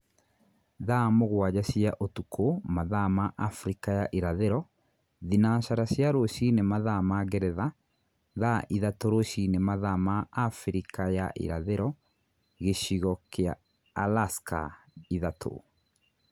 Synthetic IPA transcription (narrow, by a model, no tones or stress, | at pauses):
ðamoɣwad͡ʑasiaʔotukʰomaðamaʔafɾikajaʔiɾaðeɾɔ | ðinaʃaɾasjaɾoʃinemaðamaɡɛɾɛða | ðaʔiðatoɾoʃinemaðamaafɾikajaʔḭɾa̰ðeɾɔ | ɣeʃiɣɔkea̰ː | laska̰ | iðatʰo̰